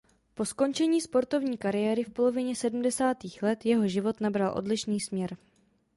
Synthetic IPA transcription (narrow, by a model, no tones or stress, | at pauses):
po̞sko̞nt͡ʃɛɲiːspo̞ɾt̪o̞vɲiːkaɾɪjɛːɾɪfpo̞lo̞vɪɲɛsɛdm̩dɛsaːt̪iːxlɛt̪jɛɦo̞ʒɪvo̞t̪nabɾalʔo̞̰dlɪʃniːsmɲɛɾ